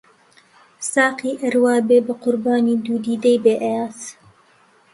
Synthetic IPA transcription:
sɑːqiːʔəɾwɑːbeːbɨqʊɾbaːniːd̪uːd̪iːd̪ejbeːʔɛjaːt̪

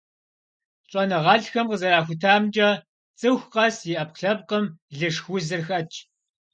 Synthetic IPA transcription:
ɕʼɔnɨʁɐɮxɐmqəzɐɾaːxʷʊtʰaːmd͡ʒʼɐ | t͡sʼɨxʷqɐsjɪʔɐpqɬɐp̚qəmɮɨʂxʷʊzɨrxɐt͡ʃʰʼ

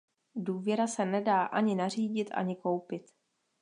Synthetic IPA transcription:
duːvjɛɾasɛnɛdaːʔaɲɪnar̝iːɟɪt̪ʔa̰ɲɪko̞wpɪt̪

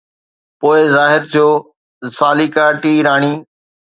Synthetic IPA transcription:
poːɪzaːɦɪɾt̪ʰijoː | saːliːkaːʈiːɾaːɽ̃iː

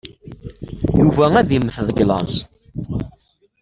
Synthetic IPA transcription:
juvææðiməθðˤəɡlɑ̰z

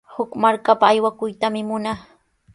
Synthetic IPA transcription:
hʊkmaɾkapaːjwakʊjt̪amɪmʊnaχ

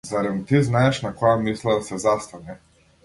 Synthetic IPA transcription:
zaɾad̪nɔt̪iznaɛʃnakɔjamislˠad̪asɛzast̪anɛ

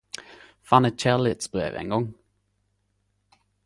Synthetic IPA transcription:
fɑnət̪̚t͡ʃæʁlɪt̪sb̥ʁḛːʋḛːŋɡɔŋ

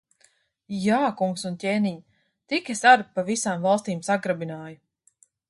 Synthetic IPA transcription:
jaːkuŋksuncʲeːniɲ | t̪ikesaɾpavisaːmvalˠst̪iːmsaɡɾabinaːju

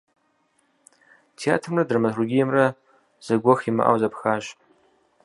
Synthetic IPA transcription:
tʰea̰ːtʰrradrmarʷuɡʲijmra | z̥aɡʷoxima̰ʔa̰wzapʰxaːʒ

